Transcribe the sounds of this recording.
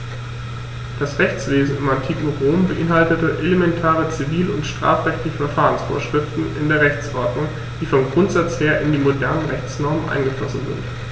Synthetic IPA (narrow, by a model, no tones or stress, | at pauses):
d̥asʁɛçt͡sv̥eːzn̩ɪmantʰiːkŋ̩ʁoːmbəʔɪnɦaltətəʔelemɛntʰaːʁ̞ət͡siviːlʊntʃtʁ̥a̰ːfʁɛçtɪçəfɛɐfaːʁənsfo̰ːɐʃʁ̥ɪftn̩ɪ̰ndeːɐʁɛçt͡sʔɔɐdnʊŋ | d̥iːfɔmɡʁʊntz̥at͡sheːɐʔɪndiːmodɛɐnənʁɛçt͡snɔɐmənʔa̰ɪnɡəflɔsn̩zɪ̰nt